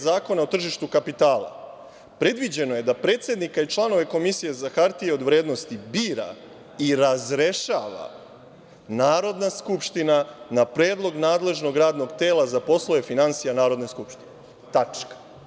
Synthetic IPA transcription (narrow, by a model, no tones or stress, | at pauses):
zaːko̞naot̪r̩ʒiʃt̪ukapit̪aːlˠa̰ | pɾe̞d̪ʋid͡ʑe̞no̞je̞d̪apɾe̞ːt̪sje̞d̪nikait͡ʃlˠano̞ʋe̞ko̞misije̞zaxaɾt̪ijeo̞d̪ʋɾe̞ːd̪no̞st̪ibiːɾa̰ | iɾazɾe̞ʃaʋa̰ | naːɾo̞d̪naskupʃt̪inanapɾe̞ːd̪lˠo̞ɡnaːd̪le̞ʒno̞ɡɾaːd̪no̞ɡt̪e̞ːlˠazapo̞slˠoe̞finansijanaːɾo̞d̪ne̞skupʃt̪ine | t̪at͡ʃkḁ